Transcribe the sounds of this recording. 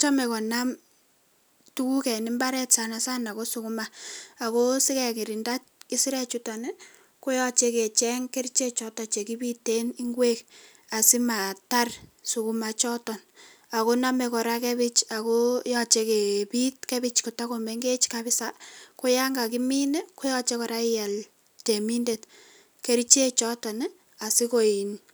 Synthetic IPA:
t͡ʃa˦mɛ˨kɔ˨na˦m | tu˦ku˦kɛ˨nɪ˦mba˦ɾɛ˦tsa˦na˨sa˦na˨ko˦su˦ku˦ma˦a˨ko˦si˦kɛ˦ki˨ɾi˨nda˦tki˦si˦ɾɛ˦t͡ʃu˦ta˨ne˦ | ko˦jɔ˦t͡ʃe˦ke˨t͡ʃɛ˦ŋke˦rt͡ʃe˦t͡ʃɔ˦tɔ˨t͡ʃe˨ki˦bi˦tːe˦ni˦ŋɡwe˦k | a˨si˦ma˨ta˦rsu˨ku˦ma˨t͡ʃɔ˦tɔ˨n | a˨ko˦na˦me˨kɔ˨ɾa˦kɛ˦bit͡ʃa˨ko˦jɔ˦t͡ʃe˧ke˨pi˦t̚kɛ˦bit͡ʃko˨ta˦komeŋɡe˦t͡ʃkabɪ˦sako˦ja˦ŋɡa˨kimi˦nɛ˦ko˦jɔ˦t͡ʃekɔ˨ɾa˦ɪja˨l | te˨mi˦nde˨t | ke˦ɾit͡ʃe˦t͡ʃɔ˦tɔ˨nɛ˦ | a˨si˦ko˨i˨n

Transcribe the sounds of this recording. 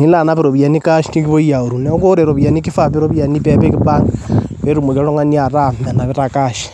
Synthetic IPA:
ni˦la˨na˦βiɾo˨βja˨ni˦ka˦ʃi̥˦ti˦ŋɡi˦βo˦ja˨o˨ɾu˨nɛ˦o˦ko˦ɾe˨ɾo˨βja˨ni˦ki˦fa˦˨βi˦ɾo˦βja˨ni˦pe˦pe˦ki˦βa˦ŋβe˦ɾu˦˨mo˨ka˦ɾo˦ŋa˦ni˦a˨ɾa˦ma˨na˨βe˦ɾa˨ka˦ʃi̥

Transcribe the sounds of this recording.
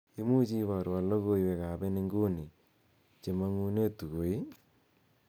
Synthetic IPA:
i˦mu˦t͡ʃi˦βa˨ɾwa˨lo˦ɣo˦˨i˨we˨ka˨be˦ne˦ŋɡo˦ni˨ | t͡ʃe˨ma˦ŋu˦ne˦tu˨ɣo˨i˦

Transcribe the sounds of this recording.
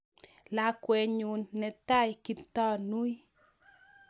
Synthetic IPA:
la˨kwɛ˨ɲu˨nːɛ˨ta˦jki˨˦pt̪ɔ˦nu˦j

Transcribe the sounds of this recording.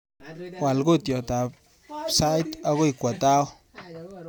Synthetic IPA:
wa˨lɡu˦t̪jo˨t̪a˨p | sa˦jt̪a˧˦ɡu˦jkʷa˨t̪a˦w

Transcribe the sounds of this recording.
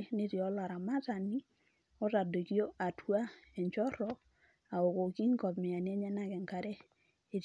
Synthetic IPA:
ne˦ti˨ɔ˦la˨ɾa˨ma˦ta˨ni˦ | ɔ˦ta˨do˨ki˦jo˦ʔa˨tu˦a˦ɛ˨ɲt͡ʃɔ˦ɾɔ˨˦ | a˨o˨ko˨ki˦ŋ˦kɔ˨pmi˨a˨n˦e˦ɲɛ˦na˦kɛ˨ŋka˨˦ɾɛ˦ | e˨t

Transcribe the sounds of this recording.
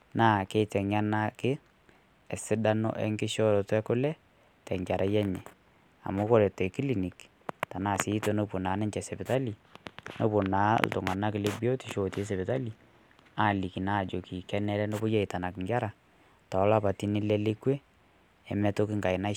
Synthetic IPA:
na˦˨ke˦tɛ˨ɲa˦na˦kɪ˦ | ɛ˨sɪ˦da˦nɔ̰˦ʔɛ̰˦ŋɡɪ˦ʃɔ˦ɾɔ˨tɛ˦kʊ˦lɛ˦ | tɛ˨ŋɡa˨ɾʔa˦jɛ˦ɲɛ˨ | a̰˨mʊ˦kɔ˦˨ɾɛ˨tɔ˨ki˦li˨ni˨k | ta˨na˨si˦to˦no˨po˨na˨˦nɛ˦ɲt͡ʃɛ˨sɛ˨pɪ˨ta˦li˨no˨po˨na˨˦l̰tʊ˨ŋa˨na˦kɪ˨le˦bi˦o˦ti˨ʃo˨te˦s̬ɛ˨pɪ˨ta˦li˨ | a˨li˨ki˨na˦˨d͡ʒo˨ki˨kɛ˦nɛ˦lɛ˦no˦bʊ˦jɛ˦ɪ˨ta˨na˨kɪ˨ŋɡa˦ɾa˨ | ta˨˦la˦pa˨ti˦ni˦lɛ˦le˦kwe˦ | ɛ˨mɛ˦to˦kɪ˦ŋɡa˨ɪ˨na˦

